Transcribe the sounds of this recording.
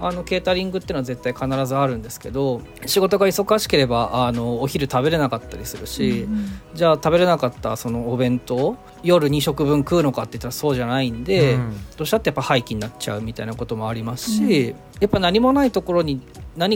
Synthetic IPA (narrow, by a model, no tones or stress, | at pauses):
ano̞ke̞ːt̪aɾʲĩŋɡɯt̪ːeɯːnoaze̞t̪ːaikanaɾazɨaɾɯ̟̃nd̪e̞sɨ̥ke̞d̪o̞ | ɕiɡo̞t̪o̞ɡaiso̞kaɕi̥ke̞ɾe̞baʔano̞ːçiɾɯ̟t̪abe̞ɾe̞nakat̪ːaɾʲisɨɾɯ̟ɕid͡ʑaːt̪abe̞ɾe̞nakat̪ːa̰so̞no̞ːbẽ̞nt̪o̞ | jo̞ɾɯ̟ɲ̟iɕo̞kɯ̟bɯ̟̃ŋkɯ̟ːno̞kat̪ːe̞i̟t̪ːaɾaso̞ːʑanaĩnd̪e̞d̪̥o̞ːɕiat̪ːejapːahaikʲiɲ̟inat͡ɕa̰ɯ̟mʲit̪ainako̞t̪o̞mo̞aɾʲimasɨ̥ɕi | japːanaɲ̟imo̞nait̪o̞ko̞ɾo̞ɲ̟inaɲ̟i